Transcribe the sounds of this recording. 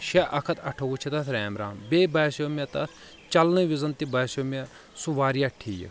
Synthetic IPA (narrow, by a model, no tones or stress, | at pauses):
ʃeʔɐkʰɐt̪ɐʈʰɐwut͡ʃʰit̪ɐt̪ʰɾɛːmɾaːmbeːbɐːsomʲet̪ɐt̪ʰ | t͡ʃɐlnɨʋizɐnt̪ibɐːsɐme | suʋaːɾjaʈʰij̰